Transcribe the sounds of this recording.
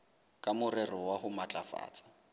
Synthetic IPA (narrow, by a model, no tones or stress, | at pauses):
kʼamʊrɛrɔwahʊmat͡ɬʼafa̰ːt͡sʼḁ